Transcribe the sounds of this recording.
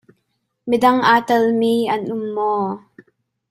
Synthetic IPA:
midɐŋʔaːt̪ɐlmiːʔɐnʔʊmːɔː

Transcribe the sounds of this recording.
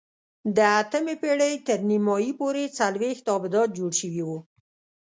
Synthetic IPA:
d̪əat̪əmepeɽəjt̪əɾnimɑjipoɾet͡salwext̪ɑbɪd̪ɑt̪̚d͡ʒoɽʃəwiwu

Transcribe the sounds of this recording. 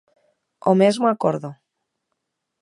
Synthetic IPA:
omezmoakoɾðo

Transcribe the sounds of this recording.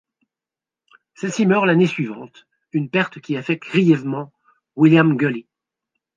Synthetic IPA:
sɛsimœʁlanesɥivɑ̃t̪ | ynpɛʁt̪kʲiafɛk̚t̪̚ɡʁijɛvmɑ̃ | wiljamɡøli

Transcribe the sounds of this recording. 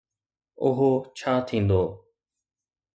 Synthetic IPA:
ʊɦoːt͡ʃʰaːt̪ʰĩːnd̪oː

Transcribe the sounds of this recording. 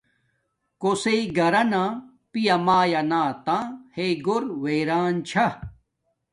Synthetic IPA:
koseiɡɐɾɐnãː | pijɐmaːjɐnaːt̪ãːheɡoɾweːɾaːnt͡ɕʰɐ

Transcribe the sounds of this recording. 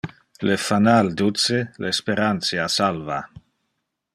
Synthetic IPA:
lefanald̪ut͡selespeɾant̪t͡ssjasalva

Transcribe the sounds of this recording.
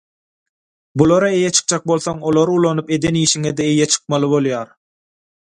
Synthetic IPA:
bulˠɑɾɑe̞jet͡ʃʰɯ̥q̚d͡ʒɑk̚bo̞lˠθoŋo̞lˠoɾulˠɑnupe̞d̪eniːʃiŋed̪eejet͡ʃʰɯ̥q̚mɑlˠɯbo̞lˠjɑːɾ

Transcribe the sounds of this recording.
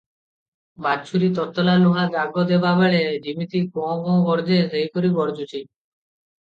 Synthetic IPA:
bat͡ʃʰuɾit̪ɔt̪ɔlaluɦad͡ʒaɡɔd̪ebabeɭedimit̪ikɔ̃kɔ̃ɡɔɾd͡ʒeseɦikoɾibɔɾd͡ʒut͡ʃʰi

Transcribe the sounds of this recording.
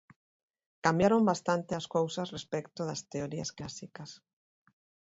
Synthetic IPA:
kambjaɾombast̪ant̪easkowsɐsrespɛkt̪oðɐst̪eoɾiasklasikɐs

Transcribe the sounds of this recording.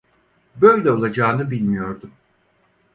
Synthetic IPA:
bø̞jlʲɛo̞lˠad͡ʒaːnɯbilʲmijo̞ɾd̪um

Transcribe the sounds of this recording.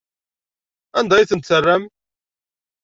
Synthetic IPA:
ænd̪ɑjiθənt̪sərːæm

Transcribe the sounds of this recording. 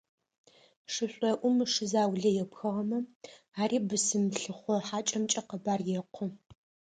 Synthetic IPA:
ʂɨɕʷʼɐʔʷʊmʂɨzaːwɮɐjɛpxɐʁɐmɐ | aːɾiːbɨsɨmɬɨχʷɔħaːt͡ʃʼɐmt͡ʃʼɐqəbaːrjɛqʷʰɔ

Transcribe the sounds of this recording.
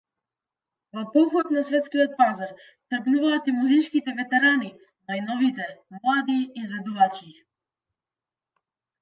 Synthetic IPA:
vɔpɔxɔt̪nasvɛt̪skiɔt̪̚pazaɾ | t̪r̩ɡnuvaːt̪imuzit͡ʃkit̪ɛvɛt̪ɛɾani | najnɔvit̪ɛmlˠad̪iːzvɛd̪uvat͡ʃi

